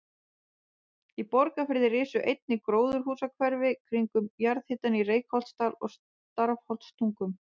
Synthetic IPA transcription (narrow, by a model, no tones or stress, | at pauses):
ipɔɾkafɪɾðɪrɪːsʏʔejt̪̚nɪkɾoːwðʏɾ̥ɦuːsakʰvɛɾvɪkʰɾiŋkʏmjaɾðhɪt̪anireːjkhɔl̥t̪st̪aːlɔ̰ɣs | t̪aɾfhɔl̥t̪st̪ʰuŋkʏm